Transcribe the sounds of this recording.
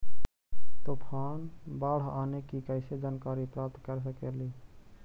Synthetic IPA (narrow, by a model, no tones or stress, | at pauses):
t̪opʰanbaːɽ̤anekikəɪsed͡ʒankaɾipɾap̚t̪kəɾsəkeli